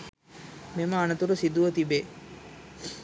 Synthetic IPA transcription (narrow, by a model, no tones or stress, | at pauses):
meməanət̪uɾusid̪uʋɐt̪ibeː